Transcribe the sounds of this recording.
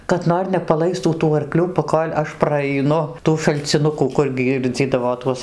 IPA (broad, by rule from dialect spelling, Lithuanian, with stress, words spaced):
kɐt ˈnoːr nʲɛpɐˈlˠɐɪstuː tuː ɐrˈklʲuː pɐˈkoːlʲ ˈɐʃ prɐɐɪˈnʊ ˈtuː ʃɐlʲt͡sʲɪˈnʊkuː ˈkʊr ˈɡʲiːrʲd͡zʲiːdɐʋoː ˈtuɔs